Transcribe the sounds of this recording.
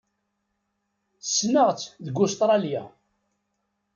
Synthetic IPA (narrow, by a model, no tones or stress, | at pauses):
sːnəʁt͡sːðəɡʊst̪ɾˤɑlja̰